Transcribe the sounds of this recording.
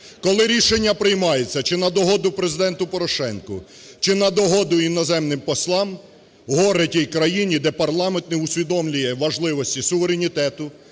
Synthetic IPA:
kɔlˠɪɾʲiʃenʲːɐpɾɪjmɑjet͡sʲːɐt͡ʃɪnɐd̪ɔɦɔd̪ʊpɾezɪd̪ɛnt̪ʊpɔɾɔʃɛnkʊ̰ | t͡ʃɪnɐd̪ɔɦɔd̪ʊinɔzɛmnɪmpɔslˠɑm | ɦɔɾetʲijkɾɐjinʲid̪ɛpɐrlˠɑment̪nɛʊsʲʋʲid̪ɔmlʲʊjɛʋɐʒlˠɪʋɔsʲtʲisʊʋeɾenʲit̪ɛt̪ʊ

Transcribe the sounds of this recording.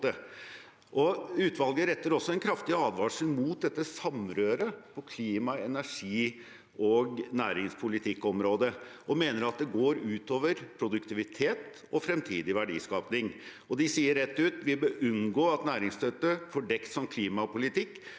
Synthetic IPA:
ə | ʔɔʉːt̪ʋɑlɡəɾɛt̪ːəɾɔsːɔɛnkʰɾɑft̪ɪɑːd̪ʋɑːʂl̩muːt̪̚d̪ɛt̪ːəsɑmɾøːɾəpʰɔkʰliːmɑɛnæʂiː | ɔɡnæːɾɪŋspʰʊlɪt̪ʰɪkːɔmɾoːd̪əʔɔmeːnəɾɑt̪̚d̪ɛɡoːɾʉːt̪oːʋəɾpʰɾʊd̪ʉkt̪ɪʋɪt̪ʰeːt̪ | ɔfɾɛmt̪ʰiːd̪ɪʋæɖḭːskɑːpnɪŋ | ɔd̪ɪsiːəɾɛt̪ːʉːt̪ʋɪbəʔʉnɡoːɑt̪næːɾɪŋst̪ʰœt̪ːəfɔɖɛkt̪sɔmkʰliːmɑpʊlɪt̪ɪkː

